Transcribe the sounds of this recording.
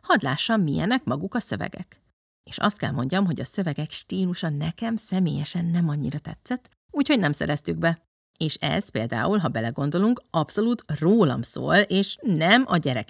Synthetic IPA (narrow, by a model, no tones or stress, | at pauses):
hɒd̪laːʃːɒmːijɛnɛkmɒɡukɒsø̞vɛ̰ɡɛ̰k | eːʃɒ̰st̪̚kɛ̰lmo̞ɲɟɒmɦo̞ɟɒsø̞vɛɡɛkʃt̪iːluʃɒnɛkɛmsɛmeːjɛʃɛnːɛmɒɲːḭɾɒt̪ɛ̰t̪sɛt̪ː | uːcho̞ɟnɛmsɛ̰ɾɛst̪yɡbɛ | eːʃɛ̰z̥peːld̪a̰ːulɦɒbɛlɛɡo̞n̪d̪o̞luŋkɒpso̞luːt̪roːlɒ̰mso̰ːleːʃnɛmɒɟɛɾɛk